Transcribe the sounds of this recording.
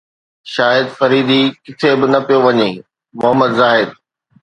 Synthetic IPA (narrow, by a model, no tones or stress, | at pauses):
ʃaːjəd̪fɐɾiːd̪ikɪt̪ʰebɪnɐpijoʋɐɲeː | mʊɦəmːəd̪zaːɦɪd̪̚